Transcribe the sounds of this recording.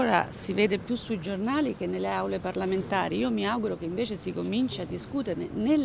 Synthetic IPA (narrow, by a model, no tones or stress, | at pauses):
oːɾa̰siveːd̪epjusːuid͡ʒornaːlik̟enːelːeawleparlament̪a̰ːɾiiːomiaɡuɾokeiɱveːt͡ʃesikomint͡ʃiad̪ːiskuːt̪eɾnenel